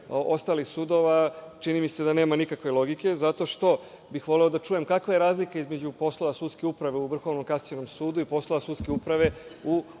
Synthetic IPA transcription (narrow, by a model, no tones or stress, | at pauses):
ost̪aːlixsuːd̪o̞ʋat͡ʃinimise̞d̪ane̞ːmanikakʋelˠo̞ɡike̞zat̪o̞ʃt̪o̞ | bixʋo̞le̞od̪at͡ʃuje̞mkakʋaje̞ɾaːzlikaizmed͡ʑupo̞sloʋasuːd̪skeupɾaʋe̞uʋr̩xo̞ʋno̞mkast͡ɕeno̞msuːd̪uipo̞slˠo̞ʋasut̪skeupɾaʋe̞u